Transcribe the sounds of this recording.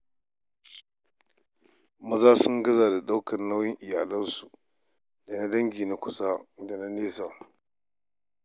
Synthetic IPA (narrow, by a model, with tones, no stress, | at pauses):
mɐ˦za˦su˦ŋɡɐ˦za˨da˨ɗa˦wkʰɐ˨nːa˦wji˦ŋʔɪ˨jaː˨lɐ˦nsu˨ | da˨na˦dɐ˦ŋɡi˨na˨kʷu˨sa˦da˨na˦neː˦sa˨